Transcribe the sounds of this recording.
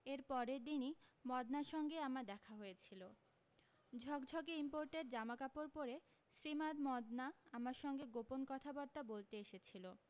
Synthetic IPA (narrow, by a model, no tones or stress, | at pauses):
eɾpɔɾeɾd̪inimɔd̪naɾʃɔŋɡeamaɾd̪ɛkʰaɦojet͡ɕʰilo | d͡ʑʱɔɡd͡ʑʱɔɡeimpoɾʈeɾd͡ʑamakapoɾpoɾe | ʃɾimad̪mɔd̪naamaɾʃɔŋɡeɡoponkɔt̪ʰabaɾt̪abolt̪eeʃet͡ɕʰilo